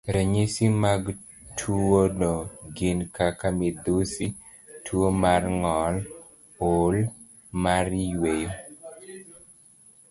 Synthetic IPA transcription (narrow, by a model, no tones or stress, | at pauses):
ɾɛɲisimaɡ | tʰuwonɔɡinkakamid̪usi | tʰuomarŋɔl | ol | maɾjwejo